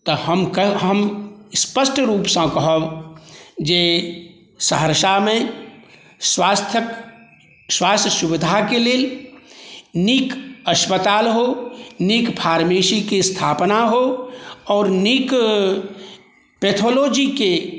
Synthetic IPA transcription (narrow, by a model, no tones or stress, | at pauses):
t̪oɦəmkəɦəmspəsʈɾuːpsãkɐɦə | d͡ʒeː | səɦəɾʃamẽ | swaːst̪ʰjək | swaːst̪ʰəʃʊbɪd̪ʱakeleːl | nikəʃpət̪aːlɦonikpʰaːɾmeːʃikist̪ʰaːpnaɦoɔːɾnik | peːt̪ʰoːloːd͡ʒike